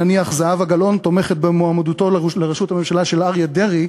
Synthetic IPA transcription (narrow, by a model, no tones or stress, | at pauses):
aniaχzaavaɡalo̞nt̪o̞meχet̪̚bemoamad̪ut̪o̞lleʁʃuthame̞mʃalaʃe̞lʔaʁjad̪e̞ʁi